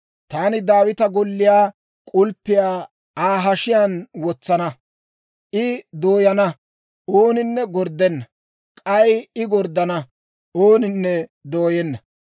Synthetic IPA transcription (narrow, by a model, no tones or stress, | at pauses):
t̪aːnɪd̪aːwɪt̪ɐɡɔlːɪjaː | kʼʊlpːɪjaː | aːɦɐʃɪjanwɔt͡sːɐnɐ | ʔɪd̪oːjɐnɐ | ʔoːnɪnːɛɡɔɾd̪ɛnːɐ | kʼɐjɪɡɔɾd̪ɐnɐ | ʔoːnɪnːɛd̪oːjɛnːɐ